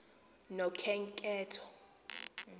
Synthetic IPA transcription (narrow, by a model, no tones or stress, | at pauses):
nɔkʰɛŋkʼɛːtʰɔ̥